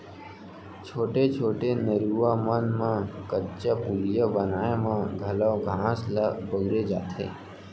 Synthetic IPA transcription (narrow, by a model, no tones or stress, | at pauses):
t͡ʃʰoːʈet͡ʃʰoːʈenəɾuamənmãkətt͡ʃapuljabənaːemãɡʱɐlaɡʱãːsləbəɡɾed͡ʒa̰ːt̪ḛ̃ː